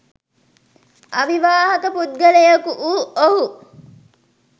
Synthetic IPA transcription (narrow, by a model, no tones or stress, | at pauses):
ɐʋiʋaːɦɐkəpud̪̚ɡɐlejɐkuʔuːoɦu